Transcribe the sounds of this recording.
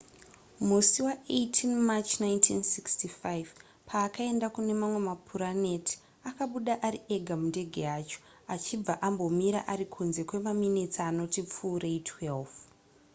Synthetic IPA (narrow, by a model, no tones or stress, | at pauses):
musiwaʔejtʰinmat͡ʃnajntʰinsikstifajv | pʰaːkae̞ndakune̞mamwe̞mapʰuɾane̞tʰi̥ | akaɓuɗaʔaɾieɡʱamunde̞ɡʱe̞aːt͡ʃo̥ | at͡ʃib͡vaʔambo̞miɾa̰ʔaɾikʰunze̞kwe̞maminet͡saːno̞tip͡fuːrejtʰwelv